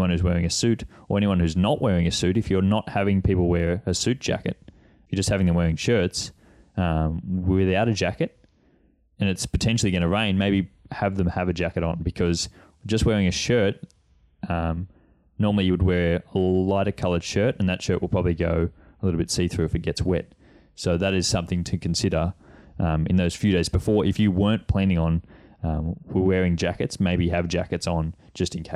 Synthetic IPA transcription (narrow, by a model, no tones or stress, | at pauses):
wʌ̃nhʉzwɛɹɪ̃ŋɨsʉɾə̰˞ɛniwʌ̃nhʉznəʔwɛɹɪ̃ŋɨsʉɾɨfjə˞nət̚hævɪ̃ŋpʰipl̩ˠwɛɹɨsʉt̚d̥ʒ̥æ̰kɨ̰t̚ | jə˞d͡ʒʌst̚hævɪ̃ŋðɨ̃mwɛɹɪ̃ŋʃɜ˞ts | ʌ̃mwɪðaʊɾɨd͡ʒækɨt̚ | ɨ̃nɨtspʰɨtʰɛ̃nʃl̩ˠiɡʌ̃ɾ̃nɨɹẽɪ̃nmeɪbihɨvðɨ̃məvɨd͡ʒækɨɾn̩bɨkʰʌz̥ | d͡ʒʌst̚wɛɹɪ̃ŋɨʃɜ˞t̚ | ʔʌ̃m | nɔɹml̩ˠijɨwəd̚wɛɹəaɪɾɨkʰʌlˠə˞d̥ʃɜ˞ɾɨ̃nðɨtʃɜ˞ʔ̚wəl̚ˠpʰɹ̥ɑbəbliɡoʊəlɪɾl̩ˠbɪtsiθɹʉɨfɨt̚ɡ̥ɛtswɛ̰t̚ | soʊðɨɾɨz̥sʌ̃mθɪ̃ŋtʰɨkʰn̩sɪɾə˞ʔʌ̃mɨ̰̃nðoʊz̥fjʉɾeɪzbɨfɔɹʔɨfjɨwɜ̃˞npʰl̥æ̃nɪ̃ŋə̃nʌ̃wwɛɹɪ̃ŋd͡ʒækɨtsmeɪbiɨvd͡ʒækɨtsn̩ | d͡ʒʌstɨ̃n̩kʰ